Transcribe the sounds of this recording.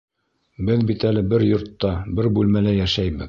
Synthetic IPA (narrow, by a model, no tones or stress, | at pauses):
bɘðbit̪ælɘbɘɾjŏɾt̪ːɑbɘɾbʉlmælæjæʃæjbɘð